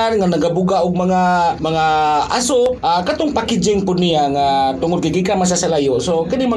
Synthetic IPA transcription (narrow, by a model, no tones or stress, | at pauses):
anŋanaɡabʊɡaʔʊɡ̚maŋamaŋaa̰soʔakat̪ʊŋpakid͡ʒɪŋpʊd̪̚niaŋat̪ʊŋʊd̪̚kiɡikamas̬asalajoʔsokɪnɪma